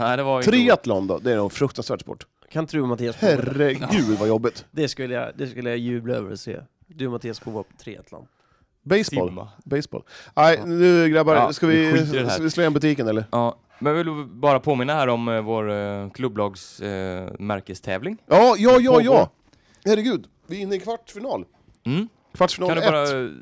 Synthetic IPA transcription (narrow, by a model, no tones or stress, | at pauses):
d̪ɛat̪ʰːɾeːat̪land̪ɔ̰d̪ɛæɾɔfɾɵk̚t̪ansvæːʈspɔ̰ʈː | kʰant̪ʰɾʉːamat̪ʰiːashærɛɡʉ̟ːd̪vajɔbːɪt̪d̪̥ɛskɵlːəja̰d̪ɛskɵlːəjajʉ̟ːblaø̰ːvəɾɔ̰sḛː | d̪ɵmat̪ʰiːasbʰuvat̪ʰɾḛːa̰t̪ʰla̰nd̪̚ | bɛjsbɔ̰lbɛjsb̥ɔ̰ːlæɪnʉ̟ːɡɾabaɾskavɪd̪ɛavɪsloːɛnbɵt̪ʰiːkənɛlːəɾɑː | mɛnjɑvɪlbɑːɾapʰoːmɪnːaæːɾɔmvoːɾkʰlɵbːlɑːɡs | mæɾkəst̪ʰɛ̰ːvlɪŋjɑːjɑːjɑːjɑː | hæɾəɡʉ̟ːd̪ | vɪɪnːəɪkʰvaʈːfɪnɑːl | m̩ | kʰvaʈːfɪnɑːand̪ːɾa